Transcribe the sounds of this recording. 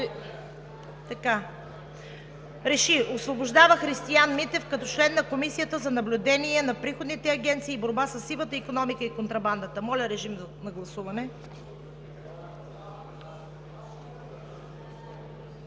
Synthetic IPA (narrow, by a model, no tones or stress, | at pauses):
t̪ɐka | ɾɛʃiosvoboʒd̪avəxɾist̪ianmit̪ɛfkɐt̪ɔt͡ʃlɛnːɐkomisijət̪əzɐnɐblʲʊd̪ɛniɛnɐpɾixod̪nit̪ɛɐɡɛnt̪siːboɾbasəsːivˠət̪əikonɔmikəikont̪ɾɐband̪ət̪əmɔlʲɐɾɛʒimnɐɡlˠɐsuvɐnɛ